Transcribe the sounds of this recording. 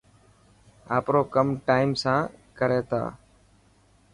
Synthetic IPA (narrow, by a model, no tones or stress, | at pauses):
a̰ːpɾoːkəmʈaːɪmsãːkəɾeːt̪ʰa̰ː